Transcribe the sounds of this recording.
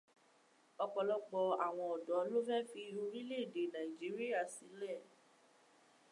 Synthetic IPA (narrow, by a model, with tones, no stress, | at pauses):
ɔ˧k͡pɔ˧lɔ˧k͡pɔ˧a˨w̃ɔ̃˧ɔ˨dɔ˨˦lo˦fɛ˦fi˧ɾũ˧ɾi˦le˦˨de˨nã˨i˨d͡ʒi˨˦ɾi˦a˦˨si˨˦lɛ˦˨